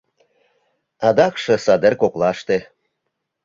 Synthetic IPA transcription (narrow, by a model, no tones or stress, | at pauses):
ɑd̪ɑkʃɤ̆sɑd̪erkoklɑʃt̪e